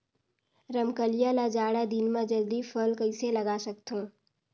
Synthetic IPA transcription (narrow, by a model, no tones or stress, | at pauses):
ɾəmkəlijalad͡ʒaːɽad̪ɪnmãd͡ʒəld̪ipʰəlkəɪselɐɡaːsɐkt̪õː